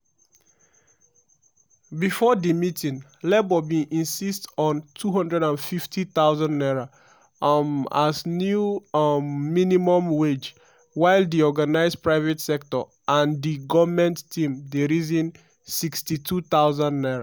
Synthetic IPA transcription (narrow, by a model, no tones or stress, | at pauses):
bifɔdimitĩŋ | lebɔbĩʔĩnsistɔ̃ntʰuɦʌ̃ndɹɛdãnfiftʰiθaʊzãnːɛɹo | aznjuː | inimɔ̃mwed͡ʒ | waɪldiɔɡanaɪspɹaɪvɛtsɛk̚tɔ̰ | ʔãndiɡɔvmɛ̃ntːʰĩmdeɹizĩn | sikstitʰuθaʊzãndːɛɹa